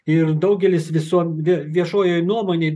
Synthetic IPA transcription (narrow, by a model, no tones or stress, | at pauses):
ɪɾd̪ɐʊɡʲɛlʲɪsʋʲɪsuɔʋʲʋʲiɛʃoːjoːjnuɔmoːnʲeː